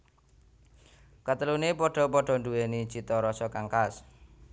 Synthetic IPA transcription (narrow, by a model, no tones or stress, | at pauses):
kat̪əlunepɔɖ̥ɔ̤pɔɖ̥ɔ̤ɳduwenid̥ʒ̥i̤t̪ɔɾɔsɔkaŋkas